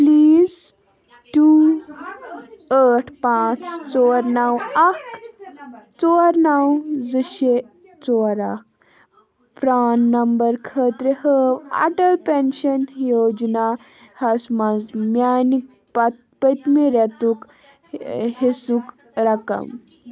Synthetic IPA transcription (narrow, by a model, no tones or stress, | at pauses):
pliːz | ʈu | əʈʰpãt͡st͡soɾnawak | t͡soɾnawd͡zəɕe | t͡sɔɾak̚ | fɾanːɐmbəɾkʰət̪ɾehəʋa̰ʈəlpenɕənjod͡ʒna | hɐsmad͡zmjanik̚ | pat̪ | pət̪miɾat̪uk | hesuk | ɾakə̰m